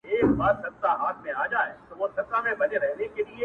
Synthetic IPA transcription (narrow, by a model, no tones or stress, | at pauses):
eːkbaːɾsɐk̚t̪aɦaːt̪ʰmẽaːd͡ʒaːet̪oʋot̪ɐsamẽbɐd͡ʒeɾɛɦnekelie